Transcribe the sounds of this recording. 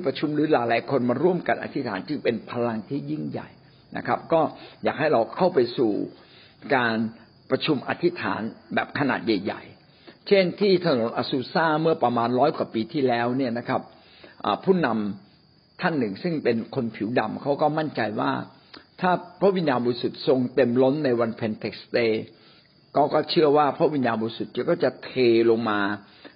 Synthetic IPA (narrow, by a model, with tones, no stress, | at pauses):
t̪ʰi˥˩pɾa˧t͡ɕʰu˧mɾɯː˨˩˦laː˨˦jlaː˨˦jkʰo˧nmaː˧ɾu˥˩əmka˧nʔa̰˧t̪ʰi˦˥t̪ʰa̰ː˩˦nt͡ɕɯ˧ŋpe˧npʰa˧la˧ŋt̪ʰiː˥˩ji˥˩ŋja̰˨˩j | na̰˦˥kʰɾa˦˥p̚kɔː˥˩jaː˨˩k̚ha˥˩jɾa˧wkʰa˥˩wpa˧jsṵː˨˩ | kaː˧n | pɾa˧t͡ɕʰu˧mʔa̰˧t̪ʰi˦˥t̪ʰa̰ː˩˦nbɛː˨˩p̚kʰa˧na̰ː˨˩t̪̚ja˨˩jːa̰˨˩j | t͡ɕʰe˥˩nt̪ʰiː˥˩t̪ʰa˧no˨˩˦nʔaː˧suː˧saː˥˩mɯ˥˩ɐpɾa˧maː˧nɾɔː˦˥jkwaː˨˩piː˧t̪ʰiː˥˩lɛː˦˥wni˥˩ɐna˦˥kʰa˦˥p̚ | ʔa̰ː˨˩pʰuː˥˩na˧m | t̪ʰa˥˩nːɯ˨˩ŋsɯ˥˩ŋpe˧nkʰo˧npʰi˨˩˦wda˨˧˩mkʰa˦˥wkɔː˥˩ma˥˩nt͡ɕa˧jwaː˥˩ | t̪ʰaː˥˩pʰɾa˦˥ʔwi˧njaː˧nbɔː˧ɾi˧su˨˩t̪̚so˧ŋt̪e˧mlo˦˥nːa˧jwa˧npʰe˧nt̪ʰe˨˦˩k̚st̪eː˧ | kɔː˥˩kɔː˥˩t͡ɕʰɯ˥˩ɐwaː˥˩pʰɾa˦˥ʔwi˧njaː˧nbɔː˧ɾi˦˧su˨˩t̪̚t͡ɕːkɔː˥˩t͡ɕa˨˩t̪ʰeː˧lo˧ŋmaː˧